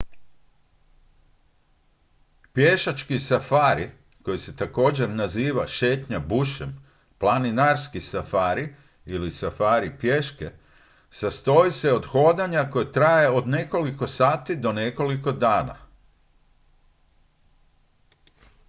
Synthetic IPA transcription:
pjeʃat͡ʃkisafaːɾi | ko̞jise̞t̪ako̞ːd͡ʑe̞ɾnaziːʋaʃe̞ːt̪ɲabuʃem | plˠaninaɾskisafaːɾi | ilisafaːɾipjeʃke̞ | sast̪o̞ise̞o̞d̪xo̞ːd̪aɲako̞jet̪ɾaːjeo̞d̪ne̞ko̞liko̞saːt̪id̪o̞ne̞ko̞liko̞d̪aːna̰

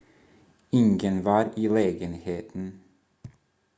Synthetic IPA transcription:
ɪŋɡənʋɑːɾʔiːleːɡənheːt̪n̩

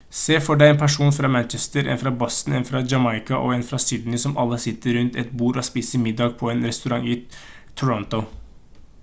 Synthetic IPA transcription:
seːfɔɖæɪɛnpʰæʂuːnfɾɑːmænt͡ʃɛst̪əɾʔɛ̰nfɾɑːbɔst̪n̩ɛnfɾɑd͡ʒɑmɑɪkɑʔɔ̰ɛnfɾɑsʏːd̪nɪsɔmɑlːəsɪt̪ːəɾʉnt̪ɛt̪buːɾɔspiːsəɾmɪd̪ːɑːɡ̚pʰɔɛnɾɛst̪ʉɾɑŋi | t̪ʰʊɾɔnt̪ʊ

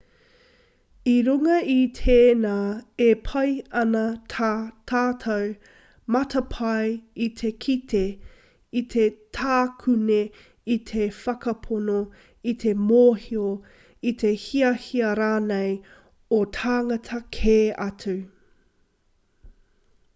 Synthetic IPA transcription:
iɾuŋɐitʰeːnaːepʰɐjɐnɐtʰatʰaːtʰɐw | mɐtʰɐpʰɐjitʰe̞kʰitʰe | itʰe̞tʰaːkʰʉne | it̪ʰe̞fɐkɐpʰono | itʰe̞moːhio | it̪ʰe̞hiɐhiɐɾaːnej | otʰaːŋɐtʰɐkʰeːɐtʰu

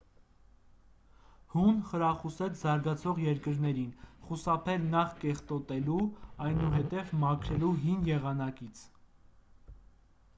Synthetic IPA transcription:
hunχəɾɑχusɛt͡sʰzɑɾɡɑt͡sʰɔʁjɛɾkəɾnɛɾinχusɑpʰɛlnɑχkɛχt̪ɔt̪ɛluɑjnuɦɛt̪ɛvmɑkʰɾɛluɦinjɛʁɑnɑkit͡sʰ

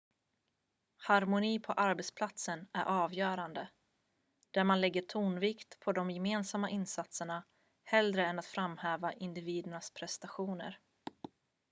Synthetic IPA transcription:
haɾmʊniːpʰɔʔaɾbɛt̪spʰlat̪sənæ̰ɾʔɑːvjœːɾand̪ə | d̪̥æɾmanlɛɡːəʈʰuːnvɪkt̪pʰɔd̪ɔmjɛmeːnsamːaʔɪnsat̪səɳa | hɛld̪ɾəɛnat̪fɾamːhɛːvaʔɪnd̪ɪviːd̪əɳaspʰɾɛst̪aɧuːnə̰ɾ

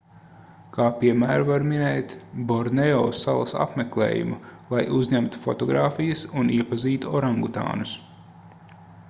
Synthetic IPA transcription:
kʰaːpiɛmæːɾvaɾminɛːt̪bɔɾnɛɔːsa̰lˠɐsa̰pmeklˠḛːjṵmulˠajʔuzʲɲæmt̪u̥fɔt̪ɔɡɾaːfijɐsuniɛpaziːt̪uɔɾaŋɡut̪a̰ːnus

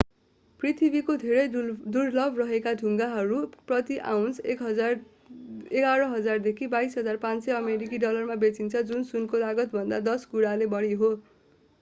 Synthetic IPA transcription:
prit̪ʰibikod̪ʱeɾʌjd̪urlʌbʱrʌɦekad̪ʱuŋɡaɦʌɾuprʌt̪iʔa̰wnsek | eɡaɾʌɦʌd͡zard̪ekʰibaisɦʌd͡zarpãnseʌmeɾik̬iɖʌlʌrmabet͡sint͡sʰʌd͡zunsunkolaɡʌt̪̚bʱʌnd̪ad̪ʌsɡuɽalebʌɽiɦo

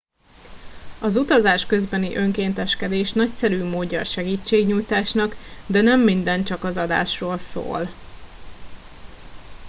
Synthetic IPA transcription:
ɒzut̪ɒzaːʃkø̞zbɛniʔø̞ŋkeːnt̪ɛʃkɛd̪eːʃnɒcsɛɾyːmoːɟːɒːʃɛɡiːt͡ʃːeːɡɲujt̪aːʃnɒkd̪ɛnɛmːind̪ɛnt͡ʃɒkɒzɒd̪a̰ːʃroːlso̰ːl

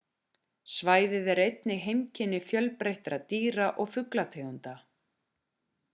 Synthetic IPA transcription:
svaːjðɪðɛɾejt̪nɪɦejmcʰɪnːɪfjœlpɾejht̪ɾat̪iːɾaʔɔɣfʏklat̪ʰeːɣʏnt̪a

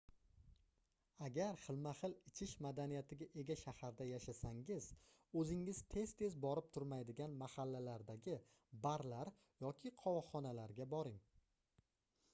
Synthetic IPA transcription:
aɡʲaɾχɨlˠmaχɨlɪt͡ʃʰɪʃmad̪anijat̪ʰɪɡʲaʔe̞ɡʲaʃahaɾd̪ajaʃasaŋɪz | ɵzɪŋːɪz̥t̪ʰe̞zt̪ʰe̞zbɒɾɪp̚t̪ʰʊɾmajd̪ɪɡʲanmahalːalaɾd̪aɡʲɪ | baɾlaɾ | jɒkʲʰɪqʰɒwɒχɒnalaɾɡʲabɒɾɪŋ

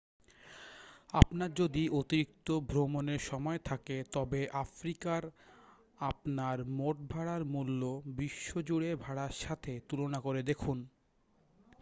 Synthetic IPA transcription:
apnaɾd͡ʑod̪iʔot̪iɾik̚t̪obʱɾomoneɾʃɔmɔet̪ʰaket̪ɔbeʔafɾikaɾ | apnaɾmoʈ̚bʱaɽaɾmulːobiʃːod͡ʑuɽebʱaɽaɾʃat̪ʰet̪ulonakoɾed̪ekʰun

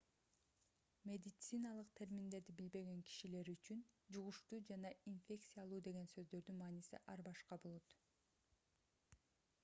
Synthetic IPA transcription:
mʲe̞d̪ʲɪt̪sɨnɑlˠɯq̚t̪ʰe̞ɾmind̪e̞ɾd̪ibilbe̞ɡe̞ŋkʰi̥ʃile̞ɾyt͡ʃynd͡ʒuʁuʃt̪uːd͡ʒɑnɑinfʲe̞kt̪sɨjalˠuːd̪e̞ɡe̞nsø̞zd̪ø̞ɾd̪ynmɑːnisḭʔɑɾbɑʃqɑbo̞lˠot̪

